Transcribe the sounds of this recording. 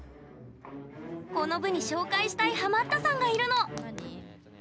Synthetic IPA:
ko̞no̞bɯ̟ɲ̟iɕo̞ːkaiɕi̥t̪aiɦamat̪ːasãŋɡaiɾɯ̟no̞

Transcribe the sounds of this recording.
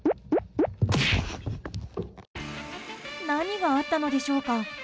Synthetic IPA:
naɲ̟iɡaːt̪ːano̞d̪e̞ɕo̞ːka

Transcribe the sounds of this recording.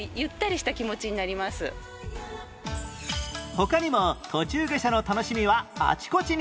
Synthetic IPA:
jɯ̟t̪ːaɾʲiɕi̥t̪akʲimo̞t͡ɕiɲ̟inaɾʲimasɨ̰ | ho̞kaɲ̟imo̞t̪ʰo̞t͡ɕɨːɡe̞ɕano̞t̪ano̞ɕimʲiβa̰ːt͡ɕi̥ko̞t͡ɕiɲ̟

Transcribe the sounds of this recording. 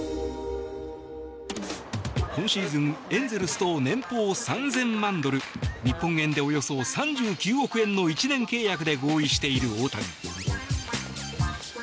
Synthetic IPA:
kõ̞ɰ̃ɕiːzɨ̃ŋẽ̞nzeɾɯsɨ̥t̪o̞nẽ̞mpoːsãnzẽ̞mmãnd̪o̞ɾɯ̟ɲ̟ipːõ̞ŋẽ̞nd̪e̞o̞jo̞so̞sãɲ̟d͡ʑɨːkʲɨːo̞kɯ̟ẽ̞nːo̞it͡ɕinẽ̞ŋke̞ːjakɯ̟d̪e̞ɡo̞ːiɕi̥t̪e̞iɾɯ̟o̞ːt̪aɾʲi

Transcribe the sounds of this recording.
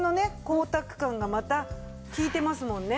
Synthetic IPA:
no̞ne̞ko̞ːt̪akɯ̟̥kãŋɡamat̪a | kʲiːt̪e̞masɨmõ̞nːe

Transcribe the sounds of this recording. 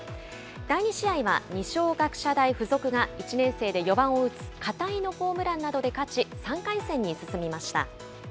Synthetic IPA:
d̪̥aiɲ̟iɕiaiβa̰ɲ̟iɕo̞ːɡakɯ̟̥ɕad̪aiɸɯ̟zo̞kɯ̟ɡait͡ɕinẽ̞ɰ̃se̞ːd̪e̞jo̞bãɰ̃o̞ɯ̟t͡sɨ̥kat̪ainoɸo̞ːmɯ̟ɾãnːad̪o̞d̪e̞kat͡ɕisãŋkaisẽ̞ɲ̟ːisɨsɨmʲimaɕi̥t̪a̰

